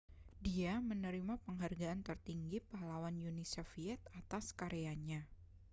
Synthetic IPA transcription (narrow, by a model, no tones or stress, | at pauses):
diamənəɾimapəŋɦarɡaʔant̪ərt̪iŋɡipaɦlawanjunisofiɛt̪̚at̪askaɾeaɲa